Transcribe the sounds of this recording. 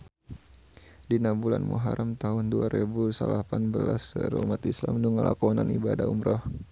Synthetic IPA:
dinabulanmuɦaɾamt̪aɦʊnduaɾebusalapanbəlasəɾumat̪islamnuŋalakɔnanibadaumɾɔh

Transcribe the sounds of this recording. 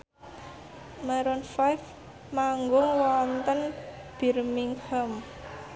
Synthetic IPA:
maɾɔnfajf | maŋɡʊŋwɔnt̪ənb̥i̤rmiŋhəm

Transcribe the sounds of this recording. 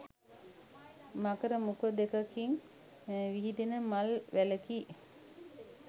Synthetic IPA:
makəɾəmukəd̪ekakiŋ | ʋiɦid̪enəmalʋæləkiː

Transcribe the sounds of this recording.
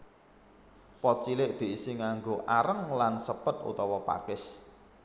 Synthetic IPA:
pɔt͡ʃilɪʔd̪̥i̤ʔisiŋaŋɡoʔaɾəŋlansəpət̪̚ṵt̪ɔwɔpa̰kɪs

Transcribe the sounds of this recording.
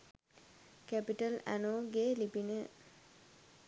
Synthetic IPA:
kæpiʈəlæ̰noːɡelipinə

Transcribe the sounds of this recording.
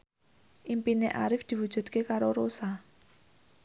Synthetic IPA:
ʔimpineʔaɾɪfd̪̥i̤wud̥ʒ̥ṳd̪̚kekaɾoɾosa

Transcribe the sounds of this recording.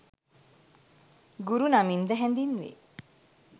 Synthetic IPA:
ɡuɾunamind̪əɦɛnd̪inʋḛ

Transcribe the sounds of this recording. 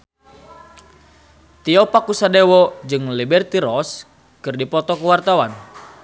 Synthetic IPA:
t̪iɔpakusadewɔd͡ʒɨŋlibɛrt̪iɾɔs | kɨrdipɔt̪ɔkəwart̪awan

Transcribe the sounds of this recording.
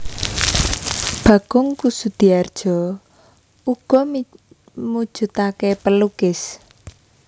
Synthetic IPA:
b̥ä̤ɡ̥ʊŋkusud̪̥i̤ard̥ʒ̥ɔ̤ | uɡ̥ɔ̤ | mud̥ʒ̥ṳt̪akɛpəlukɪs

